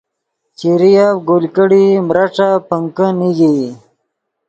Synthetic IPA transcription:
t͡ɕiɾijaɡolkəɽimɾaʈ͡ʂapəŋkəniɡi

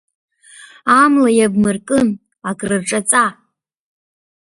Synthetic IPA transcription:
amlajabmɨrkʼɨn | aɡrɨrʈ͡ʂʼat͡sʼa

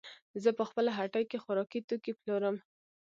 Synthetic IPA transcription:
zəpəxpəlaɦaʈajkexʊɾɑkit̪okiploɾəm

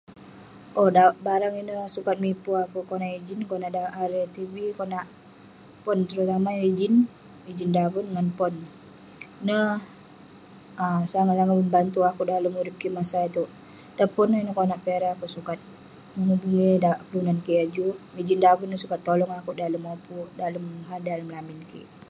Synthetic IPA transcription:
ʔɔdabaɾaŋinəsukat̪̚mipuakuʔkonaʔid͡ʒɪnkonaʔdaʔaɾt̪ibikonaʔ | pɔnt̪əɾut̪amaid͡ʒɪn | id͡ʒɪndavunŋanpɔn | nə | əsaŋasaŋaməmbant̪uakudaləmuɾɪp̚kimasait̪u | dapɔnːəinəkonaʔpeɾaakuʔsukat̪̚ | məŋubuŋidakəlunankiad͡ʒumid͡ʒindavunːəhsukat̪ːolɔŋakuʔdaləmopudaləmɦardaləmlamɪnkḭ

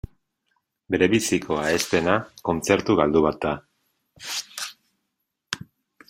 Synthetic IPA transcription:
be̞ɾe̞βisikʰo̞aest̪e̞nako̞nt͡se̞ɾt̪uɣald̪uβat̪̚ːa

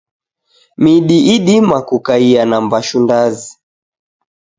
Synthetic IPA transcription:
miɗiʔiɗimakukaianambaʃundazi

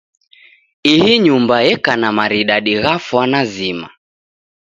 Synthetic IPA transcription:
ihiɲumbajɛkanamaɾiɗaɗiɣafwanazima̰

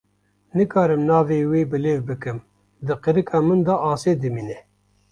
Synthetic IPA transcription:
nɨkʰɑːɾɨmnɑːveːweːbɨleːvbɨkɨm | d̪ɨqɨɾɨkʰɑːmɨnd̪ɑʔɑːseːd̪ɨmiːnɛ

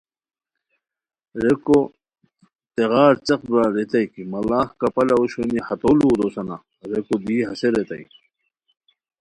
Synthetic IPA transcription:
ɾeko | t̪eɣaːɾt͡ɕɐqbɾaɾet̪ɐjkimɐlaːhkɐpɐlɐuɕwenihɐt̪olud̪osɐna̰ | ɾekod̪iːɦɐseɾet̪ɐ̰jki̥

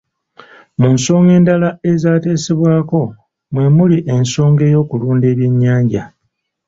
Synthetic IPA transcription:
munso̞ːŋɡe̞ːndalae̞zaːte̞ːseβwaːko̞ | mwe̞muliʔe̞nso̞ːŋɡe̞ːjo̞ːkuluːnde̞ːβjeɲːaːɲɟa

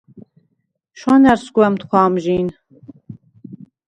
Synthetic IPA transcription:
ʃanɛɾskwɛmt̪ʰχʰwaːmʒiːn

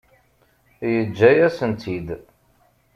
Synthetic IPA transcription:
jəd͡ʒːæjæsənt̪ʰid̪

